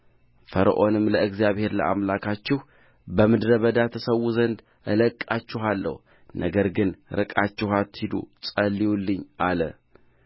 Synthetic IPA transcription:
fəɾə̰ʔo̞nɨmːləɨɡzjaβhe̞ɾlə̰ʔamlakʰat͡ʃːɪh | bəmɨd̪ɾəβəd̪at̪ʰəsəwuzənd̪ | ʔɨləkʼːat͡ʃːɪɦalːə̰h | nʔəɡəɾɡɨnɾɨkʼat͡ʃːɪhat̪ːhid̪ṵsʼəlːiwulːɨɲːʔalə̰

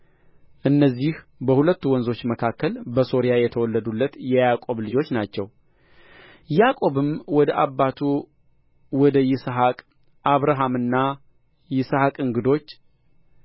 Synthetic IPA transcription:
ʔɨnːəzːih | bəhulət̪ːuwɔnzo̞t͡ʃːməkʰakːəlbəso̞ɾijajɛt̪ʰəwɔlːəd̪ulːət̪jɛjakʼo̞βlɨd͡ʒo̞t͡ʃːnat͡ʃːɛ̰w | jakʼo̞βɨmwɔd̪əʔabːat̪ʰu | wɔd̪əjɪsɦakʼ | ʔaβɾaɦamɨnːa | jɪshakʼɨŋɡɨd̪o̞t͡ʃː

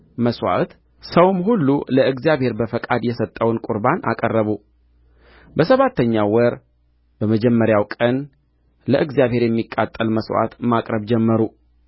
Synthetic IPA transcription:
məswa̰t̪ | səwmɦulːuləɨɡzijaβhe̞ɾbəfəkʼad̪jɛsət̪ʼːəwnkʼuɾbanʔa̰kʼərːəβu | bəsəβat̪ːəɲːawɔɾ | b̥əməd͡ʒɛmːəɾjawkʼən | ləʔɨɡzijaβhe̞ɾjɛmːikʼːa̰t̪ʼːəlməswa̰t̪makʼɾəβd͡ʒɛmːəɾu

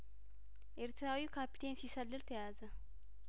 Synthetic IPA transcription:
ʔeɾt̪ʰɾawikʰapi̥t̪ʰe̞nsisəlːɨlt̪ʰəjazə

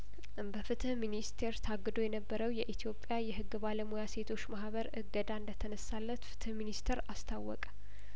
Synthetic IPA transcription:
bəfɨt̪ʰɨhminist̪ʰe̞ɾt̪ʰaɡːɨd̪o̞jɛnəbːəɾəwjɛʔit̪ʰijo̞pʼːjajɛɦɨɡːbaləmujase̞t̪ʰo̞t͡ʃːmahβəɾɨɡəd̪aɨnd̪ət̪ʰənəsːalːət̪fɨ̥t̪ʰɨhminist̪ʰeɾast̪ʰawːɔ̰kʼə

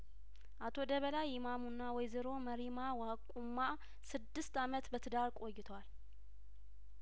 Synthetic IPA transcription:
ʔat̪ʰo̞d̪əβəlajɪmamunːawɔjzɨɾo̞məɾimawakʼumːa | sɨd̪ːɨst̪amət̪bət̪ʰɨd̪aɾkʼo̞jːɪt̪ʰwal

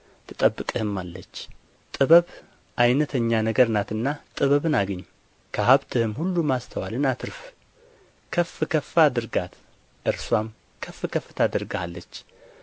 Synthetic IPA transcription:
t̪ʰɨt̪ʼəbːɨkʼɨhɨmːalːət͡ʃː | t̪ʼɨβəβ | ʔajnət̪ʰəɲːanəɡəɾnat̪ɨnːat̪ʼɨβəβɨnaɡəɲː | kʰəɦaβt̪ʰɨhɨmhulːumast̪ʰəwalɨnat̪ʰɨɾf | kʰəfːɨkʰəfːad̪ɨɾɡat̪ | ʔɨɾswam | kʰəfːɨkʰəfːɨt̪ʰad̪ɨɾɡalːət͡ʃː

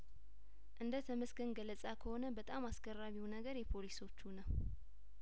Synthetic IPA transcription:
ʔɨnd̪ət̪ʰəmɨsɡɨnɡəlːəsʼakʰəho̞nəbət̪ʼamasɡərːaβiwnəɡəɾjɛpʰo̞liso̞t͡ʃːunəw

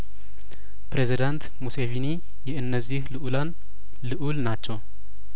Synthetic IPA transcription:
pɾezid̪ant̪musevini | jɛɨnːəzːihlɨʔulan | lɨʔulnat͡ʃːɛw

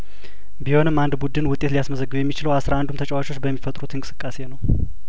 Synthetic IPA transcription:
biho̞nɨmːand̪bud̪ɨnwʊt̪ʼːe̞t̪lijasməzəɡːɨujɛmːit͡ʃɪləwasɾaand̪umt̪ʰət͡ʃʼɛwat͡ʃo̞t͡ʃːbəmːifət̪ʼɾut̪ʰɨnŋkʼɨ̥sɨkʼːase̞nəw

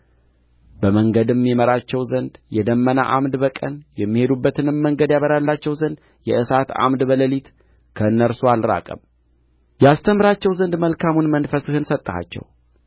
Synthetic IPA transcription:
bəməŋɡəd̪mːiməɾat͡ʃːɛwzənd̪jɛd̪əmːəna̰ʔamd̪bəkʼə̰njɛmːihe̞d̪ubːət̪ʰɨnɨmːəŋɡəd̪jaβəɾalːat͡ʃːɛwzənd̪ | jɛ̰ʔɨsat̪a̰md̪bələlit̪ | kʰəɨnːəɾsoalɾa̰kʼə̰m | jɛast̪ʰəmɾat͡ʃːɛwzənd̪məlkʰamunmənfəsɨhɨnsət̪ʼːha̰t͡ʃːɛ̰w

